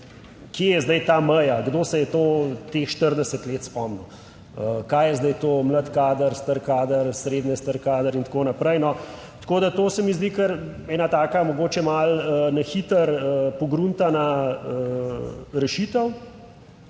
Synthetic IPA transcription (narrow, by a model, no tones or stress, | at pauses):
kjejɛzd̪ɛjt̪aːməjaɡd̪oːsɛjɛt̪oːt̪exʃt̪əɾd̪ɛsət̪leːt̪spɔmnu | əkajjɛzd̪əjt̪oːmlat̪kaːd̪əɾst̪əɾkaːd̪əɾsɾeːd̪nɛst̪əɾkaːd̪əɾint̪ḁkoːnapɾɛjnɔ | t̪koːd̪at̪oːsɛmizd̪ikəɾɛːnat̪aːkamɔɡoːt͡ʃɛmalənɐxit̪əɾəpɔɡɾunt̪anaə | ɾɛʃit̪əw